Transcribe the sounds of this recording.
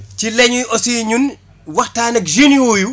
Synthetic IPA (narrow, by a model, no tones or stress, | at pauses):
cilɛɲujʔɔsiɲun | wɐxtaːnɐkʒinioju